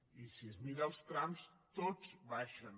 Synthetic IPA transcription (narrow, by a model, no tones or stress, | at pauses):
isiəzmiɾalˠst̪ɾamst̪oz̥βaʃən